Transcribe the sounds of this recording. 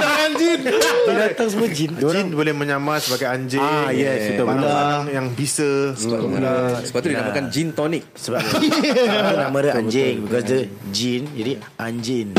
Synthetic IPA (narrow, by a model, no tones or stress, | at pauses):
aɲd͡ʒindidat̪aŋs̬əmuəd͡ʒindinbolɛhmə̃ɲamãnsəbaɡajaɲd͡ʒijɛkit̪aulajaŋbisəsəbaulasəbap̚t̪udinamakand͡ʒint̪ɔnik̚səba | anãmãdəã̰ɲd͡ʒɛŋbikɔsdəd͡ʒind͡ʒadi | ʔaɲd͡ʒin